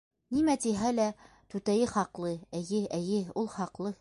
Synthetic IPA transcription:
nimæt̪iɦælæ | t̪ʉt̪æjɘχɑqlˠɤæjɘæjɘulˠχɑqlˠɤ

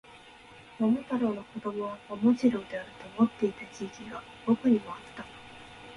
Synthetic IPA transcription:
momot̪aɾono̞ko̞d̪o̞mo̞βakomoʑiɾo̞d̪e̞aɾɯ̟t̪o̞mo̞t̪ːe̞it̪at͡ɕiːkʲiɡa | bokɯ̟ɲ̟imo̞at̪ːa

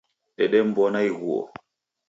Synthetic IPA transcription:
ɗɛɗɛmbɔnajɣuɔ̰

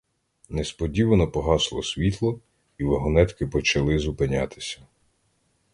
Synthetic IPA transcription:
nɛspɔdʲiʋɐnɔpɔɦɑslˠɔsʲʋʲit̪lˠɔ | iʋɐɦɔnɛt̪kɪpɔt͡ʃɐlˠɪzupɪnʲa̰t̪ɪ̥sʲɐ̥

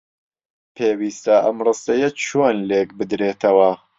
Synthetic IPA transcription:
pʰeːwiːst̪ɐʔɐmrɨst̪ɐjɐt͡ʃʰoːnlekbɨd̪ɾeːt̪ʰɐwɐ

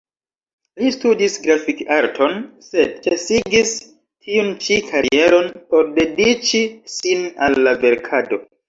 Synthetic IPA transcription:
listudisɡɾafikaɾtʰo̞nse̞d̚t͡ʃesiɡis | tʰiunt͡ʃikʰaɾiie̞ɾo̞npo̞ɾde̞dit͡ʃisina̰lːave̞ɾkʰado̞

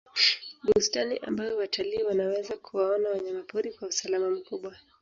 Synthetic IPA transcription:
ɓustaniʔa̰mbajɔwatʰaliːwanawɛzakʰuwaɔnawaɲamapuɾikwausalamam̩kuɓwa

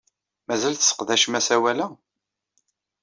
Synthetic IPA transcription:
mæzælθə̥sə̥qðæʃmæsæwælæ

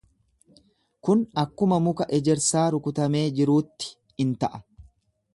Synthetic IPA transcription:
kʊnɐkːʊmɐmʊkɐʔɛd͡ʒɛɾsaːɾʊkʊt̪ɐme̞ːd͡ʒɪɾuːt̪ːɪ̥ | ɪnt̪ɐʔɐ

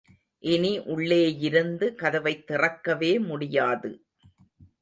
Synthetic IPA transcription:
ʔɪniʔʊɭːeːjɪɾɯnd̪ɯkɐðɐʋɐɪt̪ːɪrɐkːɐʋeːmʊɽɪjaːðɯ

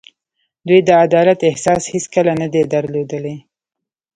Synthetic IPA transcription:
d̪wujd̪əad̪ɑlat̪ɪhsɑshiskəlanad̪ed̪aɾlod̪əle

